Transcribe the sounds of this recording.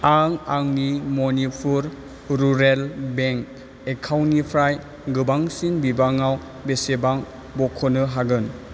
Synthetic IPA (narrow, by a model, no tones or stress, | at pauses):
aŋaŋnimɔnipʰuɾ | ɾuɾelbeŋk | ekʰawnipʰɾaj | ɡɯbaŋsinbibaŋaw | besebaŋ | bɔkʰɔnɯɦaɡɯn